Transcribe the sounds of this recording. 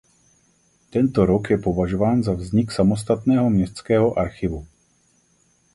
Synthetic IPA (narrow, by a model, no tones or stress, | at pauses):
t̪ɛnt̪oɾo̞kjɛpo̞vaʒo̞vaːnzavzɲɪksamo̞st̪at̪nɛːɦo̞mɲɛst̪t͡skɛːɦo̞ʔaɾxɪvu